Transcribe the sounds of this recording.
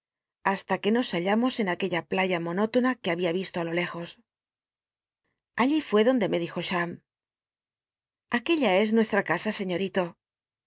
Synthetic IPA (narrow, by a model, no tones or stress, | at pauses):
ast̪ake̞no̞saʎamo̞se̞nake̞ʎaplaʝamo̞no̞t̪o̞nakeaβiaβist̪oalo̞le̞xo̞s | aʎifwe̞ðo̞nd̪e̞me̞ð̞ixo̞ʃam | ake̞ʎae̞znwe̞st̪ɾakasase̞ɲo̞ɾit̪o̞